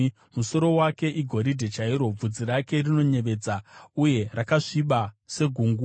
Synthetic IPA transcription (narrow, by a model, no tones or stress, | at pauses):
muso̞ɾo̞wake̞ʔiɡʱo̞ɾidʱe̞t͡ʃaiɾo̞b͡vud͡ziɾake̞rino̞ɲe̞ʋe̞ːd͡zauje̞rakaʂiɓase̞ɡʱuŋɡu